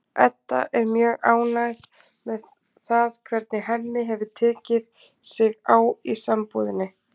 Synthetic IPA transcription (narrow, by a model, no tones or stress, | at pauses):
ɛ̰t̪ːa̰ʔɛɾmjœːɣaːwnaɣð | mɛð | θaðkʰv̥ɛɾt̪̚nɪɦɛnːɪɦɛvʏt̪ʰɛːcɪð | sɪɣaːwisampuðɪnːɪ